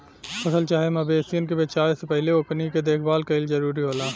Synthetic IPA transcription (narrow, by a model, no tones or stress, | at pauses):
fɐsəlt͡ʃaːɦemɐbeːsijənkebet͡ʃaːesepɛɦleokniked̪eːkʰbaːlkaɪld͡ʒɐɾuːɾiɦoːlaː